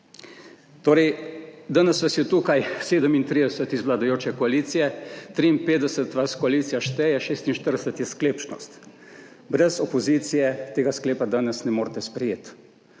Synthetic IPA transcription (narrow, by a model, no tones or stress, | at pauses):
t̪oːɾɛjd̪aːnɛsʋasjɛt̪uːkajseːd̪əmint̪ɾiːd̪ɛsət̪izʋlad̪ajoːt͡ʃɛkɔaliːt̪sijɛt̪ɾiːnpeːt̪d̪ɛsət̪ʋaskɔaliːt̪sijaʃt̪ɛjɛʃeːst̪inʃt̪əɾd̪ɛsət̪jɛskleːpt͡ʃnɔ̰st̪ | bɾɛzɔpɔziːt̪sijɛt̪eːɡaskleːpad̪anɛsnɛmoːɾt̪ɛspɾɛjeːt̪